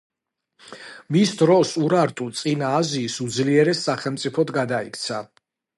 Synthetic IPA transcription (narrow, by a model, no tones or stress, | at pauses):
misd̪ɾɔsuɾaɾt̪ʼut̪sʼinaːziːsud̪zliɛɾɛsːaχɛlˠmt̪sʼipʰɔd̪ɡad̪aikʰt̪sʰa